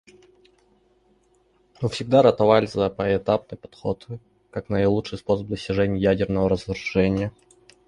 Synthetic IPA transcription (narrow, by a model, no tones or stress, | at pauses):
mɨfsʲɪɡ̚d̪aɾət̪ɐvalʲɪzəpəɪt̪ap̚nɨjpɐ̥t̪xo̰t̪ɨ | kaknəlˠut͡ʂʂɨjspo̞səb̚d̪əsʲtʲɪʐɛnʲɪjjædʲɪrnəvəɾəzɾʊʐɛnʲɪjə